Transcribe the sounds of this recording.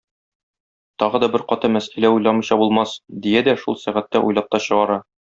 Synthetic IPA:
t̪ɒʁɤ̆d̪ɒbɘɾqɒt̪ɤmæsælæujlˠɑmɤ̆jɕɑbulˠmɑsd̪ijæd̪æʃulˠsæʁæt̪ːæʔṵjlˠɑp̚t̪ɑɕɤ̆ʁɑɾɑ

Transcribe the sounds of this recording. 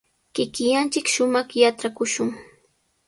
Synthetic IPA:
kɪkɪjant͡ʃɪkʃʊmɑχjaʈ͡ʂakʊʃʊŋ

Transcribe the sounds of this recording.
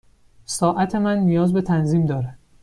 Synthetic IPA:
sɒːʔæt̪ʰe̞mænːijɒːzbe̞t̪ʰænziːmd̪ɒːɾæd̪̥

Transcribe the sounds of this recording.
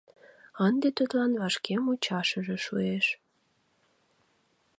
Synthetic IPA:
ənd̪et̪øt̪lɑnβɑʃkemut͡ɕɑʃəʒĕʃueʃ

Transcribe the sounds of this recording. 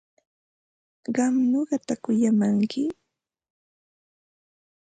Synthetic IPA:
ɢɑmɲoɢɑt̪akʊjamaŋkʰɪ

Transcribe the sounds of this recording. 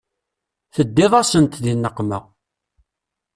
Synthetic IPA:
θəd̪ːɪðˤɑsənt̪ðinːəqːmə

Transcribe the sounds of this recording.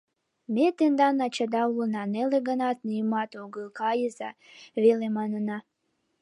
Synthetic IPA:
met̪end̪ɑnɑt͡ɕɑd̪ɑulnɑneleɣənɑt̪nijəmɑt̪oɣəlkɑjəzɑ | βelemɑnənɑ

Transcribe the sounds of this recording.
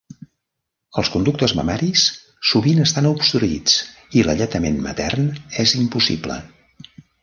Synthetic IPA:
əlˠskund̪uk̚t̪əzmə̰mɛɾis | suβinəst̪anupst̪ɾuit͡s | iləʎət̪əmenmə̰t̪ɛrnɛzimpusḭblə̰

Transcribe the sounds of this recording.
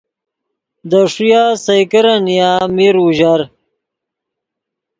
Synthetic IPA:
d̪əʂujaːsɐjkəɾanijamiɾuʑaɾ

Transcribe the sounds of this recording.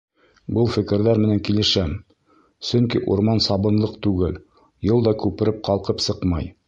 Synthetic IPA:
bɤlˠfɘ̆kɘ̆ɾðæɾmɘ̆næŋkilɘ̆ʃæm | sɵŋkiʔṵɾmɑnsɑbɤ̆nlˠɤqt̪ʉɡɘl | jɤlˠd̪ɑkʉpɘ̆ɾɘp̚qɑlˠqɤpsɤqmɑj

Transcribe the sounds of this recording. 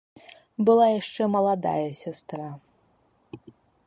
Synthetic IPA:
bɨlˠajaʂt͡ʂɛmɐlˠad̪a̰jɐsʲast̪ɾa

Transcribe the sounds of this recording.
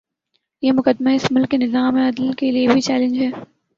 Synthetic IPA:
jeːmʊkəd̪maɪsmʊlkːenɪzaːmẽɐd̪əlkeliebʱit͡ʃɛːlɪ̃nd͡ʒɦɛː

